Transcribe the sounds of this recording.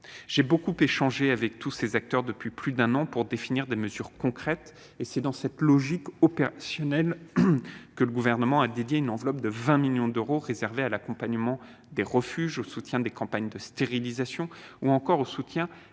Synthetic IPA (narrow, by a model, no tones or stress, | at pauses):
ʒ̥ebokupeʃɑ̃ʒeavɛk̚t̪ʰusezak̚t̪œʁd̪əpɥiplyd̪ɛ̃nɑ̃puʁd̪efiniʁd̪eməzyʁkɔ̃kχɛt̪ | esɛd̪ɑ̃sɛt̪lɔʒikɔpeʁasjɔnɛl | kələɡuvɛʁnəmɑ̃ad̪ed̪jeynɑ̃vlɔp̚d̪əvɛ̃miljɔ̃d̪øʁoʁezɛʁvealakɔ̃paɲəmɑ̃ | d̪eʁəfyʒosut̪jɛ̃d̪ekɑ̃paɲd̪əst̪eʁilizasjɔ̃uɑ̃kɔʁosut̪jɛ̃